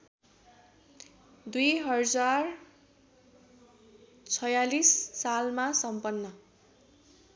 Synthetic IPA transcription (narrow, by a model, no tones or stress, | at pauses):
d̪ujɦʌd͡zar | t͡sʰʌjalisːalmasʌmpʌnːʌ